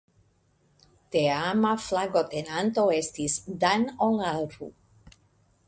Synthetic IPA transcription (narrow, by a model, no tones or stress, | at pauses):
t̪eamaflaɡot̪enant̪oest̪isd̪anoŋalɾṵ